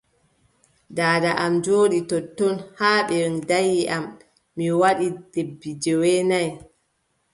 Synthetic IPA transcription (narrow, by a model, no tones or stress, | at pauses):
daːdaʔamd͡ʒoːɗitɔtːɔnhaːɓɛɾndajːiʔamː | iwaɗid̥ebːid͡ʒɛwɛnaj